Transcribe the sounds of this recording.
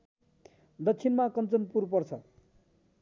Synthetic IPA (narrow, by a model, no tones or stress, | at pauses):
d̪ʌkt͡sʰinmakʌnt͡sʌnpurpʌrt͡sʰʌ